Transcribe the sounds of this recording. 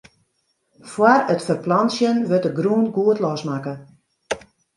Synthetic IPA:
fwarətfərplansjənʋøtəɡruənɡuətlɔsmakə

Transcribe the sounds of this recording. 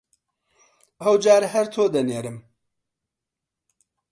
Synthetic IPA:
ɐwd͡ʒaːɾɦɐɾt̪ʰoːd̪ɐneːɾɨm

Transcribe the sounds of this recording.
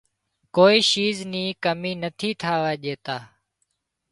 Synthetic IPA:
koːiːʃiːzniːkəmiːnət̪ʰiːt̪ʰaːʋaːʄeːt̪aː

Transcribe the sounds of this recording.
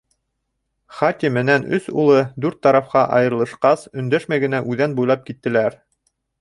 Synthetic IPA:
χat̪ʲimɘ̆nænɵsulˠɤd̪ʉɾt̪ːɑɾɑfqɑʔɑjɤ̆ɾlˠɤ̆ʃqɑsɵ̆nd̪æʃmæjɡɘ̆næʔʉðænbujlˠɑp̚kit̪ːɘ̆læɾ

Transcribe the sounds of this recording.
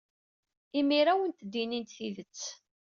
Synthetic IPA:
imiɾawənt̪əd̪ːinint̪θiðət͡sː

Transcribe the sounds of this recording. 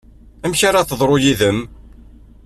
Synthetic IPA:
æmçaɾaθəðˤɾˤojiðəm

